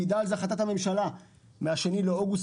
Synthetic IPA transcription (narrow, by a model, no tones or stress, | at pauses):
ɡd̪alzaχat̪at̪ame̞mʃala | meaʃe̞nileoɡus